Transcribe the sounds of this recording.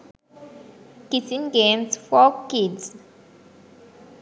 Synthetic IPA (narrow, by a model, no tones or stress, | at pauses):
kitĩnɡẽmsfɔkids